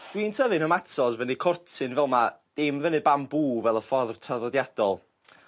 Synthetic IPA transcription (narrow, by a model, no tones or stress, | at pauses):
d̥wiːntʰəvɨnɔmatʰɔzvənɨkʰɔrtʰɨnvɛlˠmad̥ɪmvənɨbambuːvɛlˠəfɔðrtʰaðɔdjad̥ɔlˠ